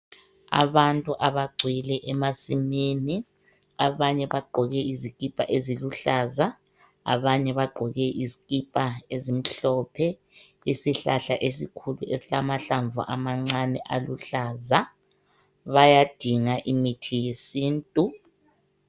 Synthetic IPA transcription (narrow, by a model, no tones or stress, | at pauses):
a̰βantʼuʔaβaɡ͡ǀʱwilɛʔɛmasimiːni | aβaɲɛβaɡ͡ǃʱɔɣɛizik̬ʼipʼaʔeziluɬaːza | a̰βaɲɛβaɡ͡ǃʱɔɣɛʔizikʼipʼaezim̩ɬɔpʰɛ | isiɬaɬaʔesikʰuluʔesilamaɬaɱvʱuʔamaŋ͡ǀanɛʔaluɬaːza | βajad̥ʱiŋaʔimitʰijesiːntʼu